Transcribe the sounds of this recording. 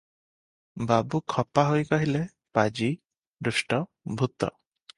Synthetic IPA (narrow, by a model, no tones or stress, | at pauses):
babukʰɔpaɦojkɔɦile | pad͡ʒi | d̪ɾusʈɔ | bʱut̪ɔ̰